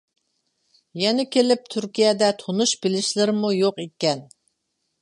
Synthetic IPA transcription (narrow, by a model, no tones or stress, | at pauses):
jɛnɪkʲelɪp̚t̪ʰyɾkʲijɛd̪ɛt̪ʰonuʃbɪlɪʃlɪɾɪmujoqekʲɛn